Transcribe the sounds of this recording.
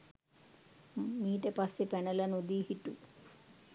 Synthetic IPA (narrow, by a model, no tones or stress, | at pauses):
miːʈəpasːepɛnəlɐnod̪iːɦiʈu